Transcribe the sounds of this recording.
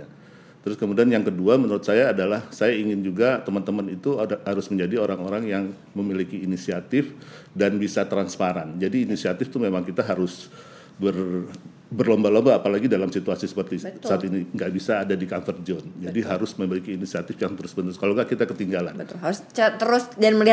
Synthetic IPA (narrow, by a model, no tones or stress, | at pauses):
t̪əɾʊskəmudianjaŋkəduamənuɾʊt̪̚sajaːdalahsajaiŋɪnd͡ʒuɡat̪əmant̪əmanit̪uhaɾʊsməɲd͡ʒadioɾaŋoɾaŋjaŋ | məmilikiːnisiat̪ɪf | danbisat̪ɾanspaɾand͡ʒadiːnisiat̪ɪft̪umemaŋkit̪aɦaɾʊs | bər | bərlɔmbalɔmbaːpalaɡidalamsit̪uasisə̥pərt̪isaːt̪iniŋɡaʔbisaːdadikanfərd͡ʒɔnd͡ʒadiɦaɾʊsməmilikiːnisiat̪ɪfjaŋt̪əɾʊsbənt̪ʊskaloŋɡaʔkit̪akət̪iŋɡala̰nət̪ɦaɾst͡ʃt̪əɾʊsdanməlia